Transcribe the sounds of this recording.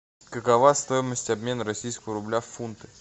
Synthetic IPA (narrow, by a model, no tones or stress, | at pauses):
kəkɐvast̪o̞jɪməsʲtʲɐbmʲe̞nəɾɐsʲijskəvəɾʊblʲafunt̪ɨ̥